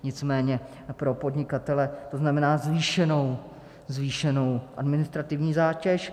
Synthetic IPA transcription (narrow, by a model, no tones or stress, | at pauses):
ɲɪt͡smɛːɲɛ | pɾo̞po̞d̪ɲɪkat̪ɛlɛt̪oznamɛnaːzviːʃɛno̞w | zviːʃɛno̞wʔa̰dmɪnɪst̪ɾat̪ɪvɲiːzaːcɛʃ